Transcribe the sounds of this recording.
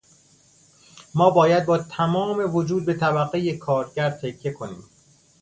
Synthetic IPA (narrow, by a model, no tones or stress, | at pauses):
mɒːbɒːjæd̪̚bɒːt̪ʰæmɒːme̞vod͡ʒuːd̪̚be̞t̪ʰæbæɣejekʰɒːɾɟæɾ̚t̪ʰecʰːe̞kʰonḭːm